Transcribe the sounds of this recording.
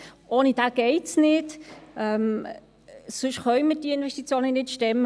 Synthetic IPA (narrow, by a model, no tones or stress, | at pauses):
ʔoːnid̥aːɡ̥ɛɪtsnɪtɛm | sʏʃχœʏməd̥iəɪnvɛʃtit͡sjoːnənɪtʃtɛmːə